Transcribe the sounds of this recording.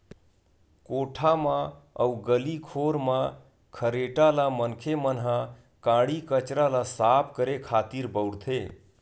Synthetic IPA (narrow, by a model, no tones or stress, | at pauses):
koʈʰamaə̰uɡəlikʰoɾmã | kʰəɾeʈalamənkʰemənɦã | kãɽikət͡ʃɾalasapʰkəɾekʰat̪iɾbəwɽt̪ʰe